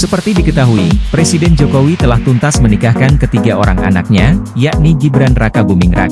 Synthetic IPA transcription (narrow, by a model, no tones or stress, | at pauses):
səpərt̪idikət̪aɦuipɾesidɛnd͡ʒokowit̪əlaht̪unt̪asmənikahkankət̪iɡaʔo̰ɾa̰ŋʔa̰na̰k̚ɲajaʔniɡibɾanrakabumɪŋra̰k